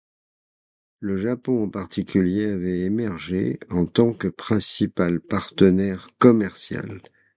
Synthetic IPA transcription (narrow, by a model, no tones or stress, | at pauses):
ləʒapɔ̃ɑ̃paʁt̪ʰikʲyljeavɛemɛʁʒeɑ̃t̪ɑ̃kəpχɛ̃sipalpaʁt̪ənɛʁkɔmɛʁsja̰l